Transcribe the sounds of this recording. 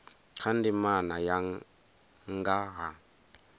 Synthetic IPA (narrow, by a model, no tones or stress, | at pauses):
kʰandimanaja | ŋɡaɣa